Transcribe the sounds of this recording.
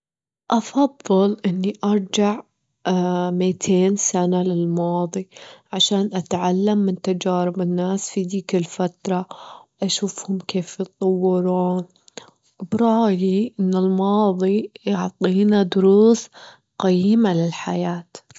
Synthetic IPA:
ʔɑfɑðˤːɨlʔɪnːiʔɑɾˤd͡ʒaʕ | mit̪ʰeːnsanalɪlmɑːðˤiʕaʃaːnʔat̪ʕalːamːɪnt̪ad͡ʒaːɾɪbɪnːaːsfid̪iːkɪlfat̪ɾˤɑwʔaʃuːfhʊmkeːfjɨt̪ˤːɑwːɪɾuːn | bɾˤɑːjiʔɪnːɪlmɑːðˤijɑʕt̪ˤiːnad̪ʊɾuːs | qajːɪmalɪlħa̰jaːt̪

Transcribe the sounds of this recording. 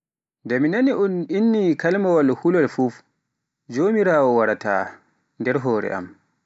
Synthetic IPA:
ndɛminaniʔɔninːikalmawalhulɔlfuf | d͡ʒoːmiɾaːwɔwaɾata̰ | ndɛɾɦɔːɾɛ̰ʔa̰m

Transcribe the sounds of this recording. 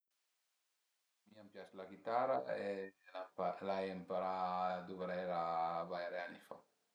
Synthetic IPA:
miampjaslaɡit̪aɾaelaalajempaɾad̪uvɾɛɾabaɾeanifa̰

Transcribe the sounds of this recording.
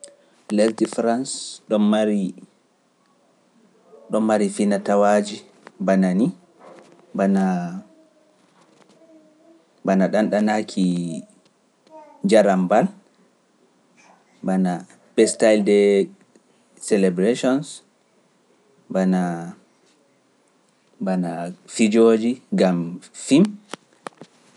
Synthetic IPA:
lɛltifɾansɗɔnmaɾi | ɗɔmːaɾifinatawad͡ʒi | banani | bana | banaɗanɗanakʰi | d͡ʒaɾambal | bana | bɛstajldɛ | sɛlɛbɾeʃɔns | bana | banafid͡ʒod͡ʒiɡamfim

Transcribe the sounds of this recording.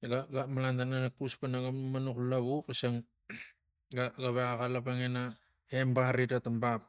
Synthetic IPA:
ɡaɡamalantananakuspanaɡamanuklaβukasaŋ | ɡaɡaβeakalapaŋena | hembahaɾitatambap̚

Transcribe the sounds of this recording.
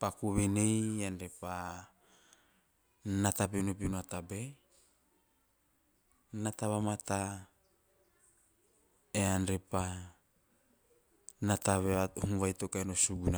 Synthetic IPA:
pakuβenejanɾepa | nat̪abenopinuat̪abe | nat̪aβamat̪a | eanɾepa | nat̪aβeahunβajt̪okaenosuɡuna

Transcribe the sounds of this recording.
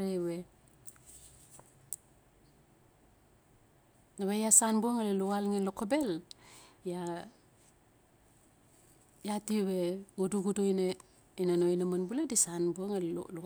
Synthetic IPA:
ɾewe | nawejasanbuoŋaleluɣalŋenlokobe̞l | ja | jatiweɡuduɡudoine | inanoinamanbuledisanbuoŋal̰lu

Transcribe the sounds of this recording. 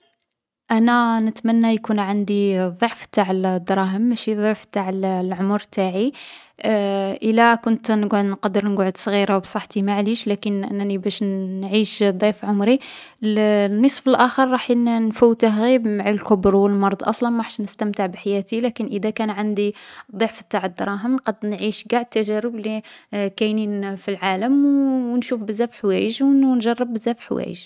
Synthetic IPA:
ʔænænət̪mænːajkunʕand̪iðˤoʕft̪aʕəld̪ɾˤɑɦəmːæʃiðˤoʕft̪aʕəllʕʊmɾt̪ʰaʕi | ʔəlːækʊnt̪nəɡʕd̪nqɑd̪əɾnəɡʕəd̪sˤɣiɾawbsˤɑħt̪imaʕliʃlækənʔənːænibæʃnʕiʃd̪ˤifʕʊmɾi | nːəsˤfəlʔæxəɾˤːɑħnnfuwːt̪əɦɣibmaʕalkʊbɾwəlmɑɾˤd̪ˤʔɑ̰sˤlɑnmaħʃnəst̪əmt̪əʕbħajæt̪ilækənʔəd̪ækænʕand̪id̪ˤːiʕfid̪ːɑʕəd̪ɾˤɑɦəmqɑd̪nʕiʃɡaʕəd̪̚t̪ːæʒæɾəblikæjninfilʕaləmwwnʃufbəzːæfħwæ̰jəʒwnʒɑrˤːəbːəzːæfħwæ̰jə̰ʒ

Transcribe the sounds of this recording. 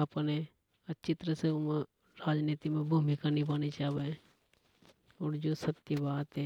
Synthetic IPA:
ɐpne | ət͡ʃɪt̪ɾəsem | ɾaːd͡ʒniːt̪imẽbʱumikaːnibaːnit͡ʃaːbe | ɔːɾd͡ʒoːsət̪jəbaːt̪ɦɛ

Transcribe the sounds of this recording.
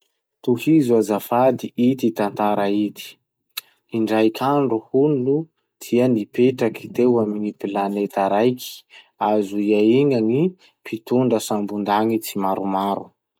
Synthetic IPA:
t̪uhizuazafad̪iʔit̪it̪ant̪aɾait̪i̥ | iɳɖ͡ʐajkʰʲaɳɖ͡ʐuhunulu | d̪̥iənipeʈ͡ʂakit̪ewaminipilanet̪aɾajkʰi̥ | azuiaiŋaŋi | pʰit̪uɳɖ͡ʐəsambund̪aŋit͡simaɾumaɾṵ

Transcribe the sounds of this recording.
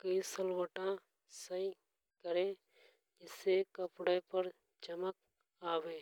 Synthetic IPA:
kəisəlwəʈã | səi | kəɾẽ | ɪsːekəpɽəpəɾ | d͡ʒəmək̚ | aːweː

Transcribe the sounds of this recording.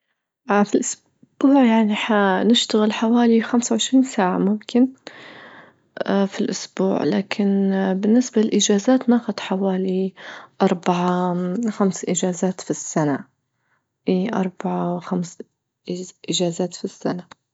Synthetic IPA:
ʔafilʔʊs | b̥uːʕjaʕniħanɪʃt̪aɣɪlħawaːlixamsawʕɪʃɾiːnsaːʕa̰mʊmkɪn | filʔʊsbṵːʕlaːkʰɪnbɪnːɪsbalɪlʔɪd͡ʒaːzaːt̪naːxʊd̪ħawaːliʔɑɾˤbaʕaxamsʔɪd͡ʒaːzaːt̪fisːana | ʔiʔɑ̰ɾˤbaʕawxams | ʔɪd͡ʒaːzaːt̪fisːana

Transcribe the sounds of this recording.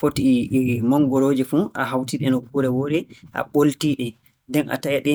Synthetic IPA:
fotimɔŋɡɔɾoːd͡ʒɛfuʔa̰ɦawtiɗɛnɔkuɾɛwoːɗɛʔa̰ɓoltiɗɛ | dɛnʔa̰tajaɗɛ

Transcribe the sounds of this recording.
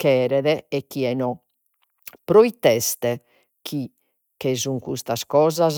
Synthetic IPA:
kɛːɾɛðɛɛk̟ːiɛnɔ | pɾoit̪ːɛst̪ɛ | kʰi | kɛzuŋkust̪askɔːzaz

